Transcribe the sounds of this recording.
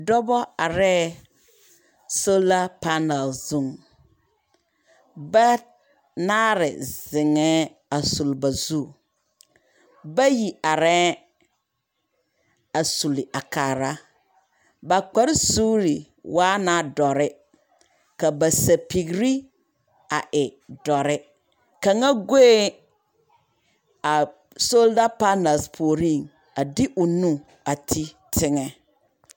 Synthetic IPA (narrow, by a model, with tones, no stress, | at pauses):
dɔ˦bɔ˦a˨ɾɛː˦ | so˦la˦pa˦na˨lzu˦˨ŋ | ba˦ | naː˦ɾɪ̰˨zɪ˨ŋɛ˦ | a˨su˨lba˨zu˦˨ | ba˦ji˨a˨ɾɛː˦ | a˨su˨li˨ʔa˨ka˨ɾa˦ | ba˨k͡pa˨ɾɪ˦su˦li˨ | wʔaː˦na˨˦dɔ˨ɾɪ˦ | ka˨ba˨sa˨pi˨ɡɾi˦ | a˨ʔɪ˨dɔ˨ɾɪ˦ | ka˨ŋa˦ɡe˦e˦ | a˨ | so˦lda˦pa˦na˨spʰo˨ɾi˦˨ŋ | a˨dɪ˦ʔʊ˨nũ˦ | a˨tʰi˦ | tʰɪ˦ŋɛ˨